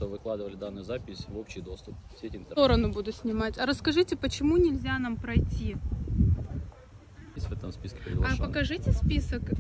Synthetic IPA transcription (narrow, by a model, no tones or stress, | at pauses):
ovɨklˠad̪ɨvəlʲɪd̪anːɨjzapʲɪsʲvopɕɪjd̪o̞st̪ʊpfsʲetʲɪnt̪o̞ɾənʊbud̪ʊsʲnʲɪmatʲɐɾəskɐʐɨtʲɪpət͡ɕɪmunʲɪlʲzʲanampɾɐjtʲi | sʲvɛt̪əmspʲiskʲɪ̥pɾʲɪɡlappəkɐʐɨtʲɪspʲisək